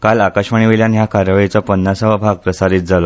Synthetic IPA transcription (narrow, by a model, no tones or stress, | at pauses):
kalakəɕməɳ̃iʋiljanɦjakʰaɾəʋit͡sɔpənːasəʋabʱaɡ̚pɾəsaɾit̪̚d͡zalo